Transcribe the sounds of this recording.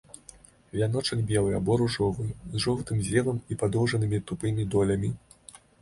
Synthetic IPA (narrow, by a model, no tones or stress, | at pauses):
vʲan̪ɔt͡ʂɐɡʲbʲɛlˠɨjabɔɾuʐɔvɨjzʐɔwt̪ɨmzʲɾʲɛvɐmipad̪ɔwʐɐnɨmʲit̪upɨmʲid̪ɔlʲɐmʲi